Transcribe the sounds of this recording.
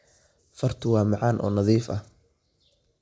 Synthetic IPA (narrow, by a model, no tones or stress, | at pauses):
fɐrt̪ʰʊwɑːmɑʕɑːnʔɔ̰ːnɐðiːfɐ̰h